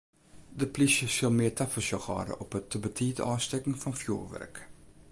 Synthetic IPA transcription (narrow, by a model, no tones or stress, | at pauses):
dəplisjəsɪlˠmɪːtafəlsjɔxɑ̰ːdə̰ʔɔpətːəbətʰiːdəɑːstɛkŋ̩fɔnfjṵːʋɛ̰rk